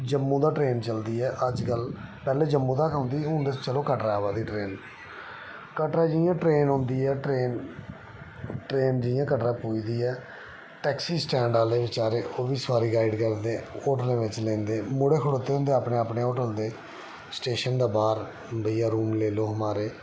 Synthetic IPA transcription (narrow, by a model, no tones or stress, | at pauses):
d͡ʒəmːũːd̪aːʈɾeːnt͡ʃəld̪iːɛːʔəd͡ʒkəlpɛːleːd͡ʒəmːũːd̪aːkãʊnd̪iːɦʊ̃ːnd̪eːt͡ʃəloːkəʈɾaːʋaːd̪iːʈɾeːn | kəʈɾaːd͡ʒɪjãːʈɾeːnɦõːnd̪iːɛːʈɾeːn | ʈɾeːnd͡ʒɪjãːkəʈɾãːpuːid̪iːɛː | ʈɛːksiːsʈɛ̃ːɳɖaːleːʋɪt͡ʃaːɾeːʔoːʋiːsʋaːɾiːɡaːɪɖkəɾd̪eːoːʈəlẽːʋɪt͡ʃlẽːnd̪eːmʊɽeːkʰəɽoːt̪ːeːɦʊ̃nd̪eːapɳeːaːpɳeːoːʈəld̪eː | sʈeːʃənd̪aːbaːɾ | bəijaːɾuːmleːloːɦəmaːɾeː